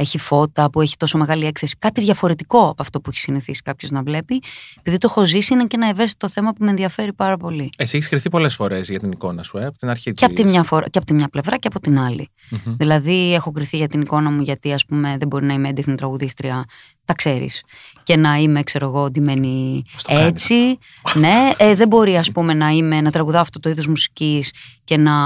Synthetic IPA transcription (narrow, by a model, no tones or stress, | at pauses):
e̞çifo̞t̪ɐpue̞çi̥t̪o̞so̞me̞ɣɐliekθe̞si̥kɐt̪iðʝɐfo̞ɾe̞t̪iko̞ɐpoɐft̪o̞pueçi̥siniθisi̥kɐpço̞znɐvle̞piepiðit̪o̞xo̞zisinecenɐevest̪i̥t̪o̞θe̞mɐpumeenðiɐfe̞ɾipɐɾɐpo̞liesieçiskɾiθipo̞lesfo̞ɾe̞zʝɐt̪iniko̞nɐsueɐpot̪inɐɾçit̪eɐpoimɲɐfoɾɐ̰ceɐpot̪imɲɐple̞vɾɐceɐpo̞t̪inɐlḭ | ðilɐðie̞xo̞kɾiθiʝɐt̪iniko̞nɐmuʝɐt̪iɐspume̞ðebo̞ɾinɐimeend̪exnit̪ɾɐɣuðist̪ɾiɐ | t̪ɐkse̞ɾḭsce̞nɐime̞kse̞ɾoɣo̞od̪ime̞nist̪et͡si | ne̞eðe̞bo̞ɾiɐspume̞nɐime̞nɐt̪ɾɐɣuðɐɐft̪ot̪oiðozmusi̥cisce̞nɐ